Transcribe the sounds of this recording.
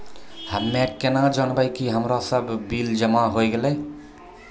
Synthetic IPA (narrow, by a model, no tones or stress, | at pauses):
həmːeʈkenad͡ʒənbəjkiɦəmɾosəbːild͡ʒəmaɦojɡeləj